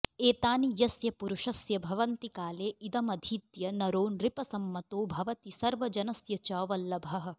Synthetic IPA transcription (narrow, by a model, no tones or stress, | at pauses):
eːt̪aːnijɐsjɐpuɾuʃɐsjɐbʱɐʋɐnt̪ikaːleːid̪ɐmɐd̪ʱiːt̪jɐnɐɾoːnɾipɐsɐmːɐt̪oːbʱɐʋɐt̪isɐɾʋɐd͡ʒɐnɐsjɐt͡ʃɐːʋɐlːɐbʱɐɦɐ̆